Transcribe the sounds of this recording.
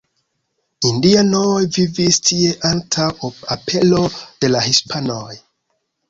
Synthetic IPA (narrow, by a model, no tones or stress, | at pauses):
indianojvivistie̞ʔantʰawapʰe̞lo̞d̥e̞lahispʰanoj